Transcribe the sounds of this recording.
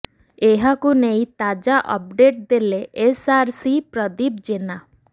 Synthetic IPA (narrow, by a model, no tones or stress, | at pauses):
eɦakunejt̪ad͡ʒaʔɔ̰p̚ɖeʈ̚d̪eleʔesaɾsipɾɔd̪ib̚d͡ʒena